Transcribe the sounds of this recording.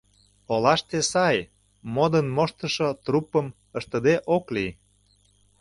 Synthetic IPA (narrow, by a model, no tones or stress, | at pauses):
olɑʃt̪esɑj | mod̪ənmoʃt̪ə̆ʃot̪rupəm | əʃt̪ə̆d̪eʔokli